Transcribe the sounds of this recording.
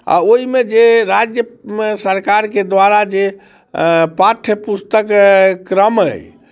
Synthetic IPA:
a̰oimed͡ʒeɾad͡ʒjəsəɾkaɾked̪waɾad͡ʒe | paʈʰəpust̪əkkɾəmɦə̰j

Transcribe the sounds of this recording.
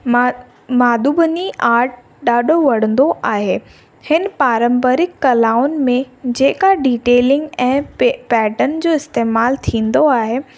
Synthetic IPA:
maːd̪uːbʱəniʔaːɾʈ̚ | ɗaːɗʱoʋɐɽ̤ə̃nd̪oʔaːɦe | hɪnpaːɾə̃mbəɾɪkːɐlaːʊnmẽd͡ʑeːkaɖiːʈeːlɪ̃ŋɡɛ̃ːpɛːʈənd͡ʑoːɪst̪eːmaːlt̪ʰĩːn̆d̪oaːɦe

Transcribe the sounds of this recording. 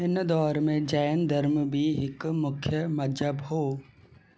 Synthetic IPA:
ɪnd̪ɔːɾmẽd͡ʒaːnd̪ʱəɾmbʱiɦɪkmʊkʰjəmɐd͡ʒəbɦoː

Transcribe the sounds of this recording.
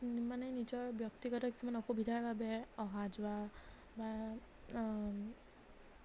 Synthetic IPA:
manɛnizɔɹbjɔktiɡɔtaki̥sumanɔxubidʱaɹbʱabɛɔɦazʊwa | ba

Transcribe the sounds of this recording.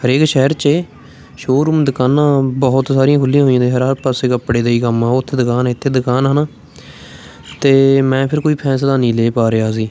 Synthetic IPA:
ɦhəɾeːkʃɛɦɾt͡ʃeː | ʃoːɾuːmd̪ʊkaːnãːbɔːʊt̪saːɾijãːkʰʊlːijãːɦoːijãːd̪ẽːɦəɾəɾpaːseːkəpːɽeːd̪eiːkəmãːʊt̪ʰːeːd̪ʊkaːnːɪt̪ʰːeːd̪ʊkaːnɦənaː | t̪eːmɛ̃ːpʰɪɾkoːiːpʰɛːs̬laːnĩːleːpaːɾeːaːs̬iː

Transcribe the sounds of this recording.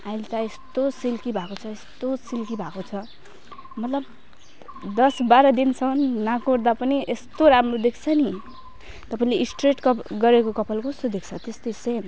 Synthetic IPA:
ajlt̪aest̪osilkibʱakot͡sʰʌest̪osilkibʱakot͡sʰʌ | mʌt̪lʌb | d̪ʌsbaɾʌd̪int͡sʰʌnːakord̪apʌniest̪oɾamrod̪ekʰt͡sʰʌni | t̪ʌpaĩleʔisʈreʈkʌɡʌɾekokʌpʰʌlkoest̪od̪ekʰt͡sʰʌt̪est̪ʌjsen

